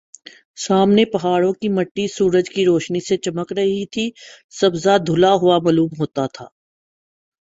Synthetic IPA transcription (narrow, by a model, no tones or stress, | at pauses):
saːmnepɐɦaːɽõkimɐʈːisuːɾəd͡ʒkiɾoːʃniset͡ʃɐməkɾɐɦit̪ʰi | sɐbzad̪ʱʊlaɦʊamɐluːmɦoːt̪at̪ʰa̰ː